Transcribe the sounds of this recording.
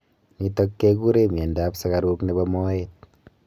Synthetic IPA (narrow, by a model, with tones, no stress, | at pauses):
ni˨tɔ˦kːe˦ku˦ɾe˦mje˨nda˦psa˦ka˨ɾu˦kne˨bɔ˧mɔ˦et̚